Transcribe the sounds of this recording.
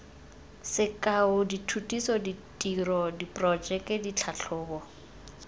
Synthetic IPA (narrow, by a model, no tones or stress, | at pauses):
sɪkʼaʊditʰutʼisɔditʼirɔdipʼrɔd͡ʒɛkʼɛdit͡ɬʰaɬʰʊːbɔ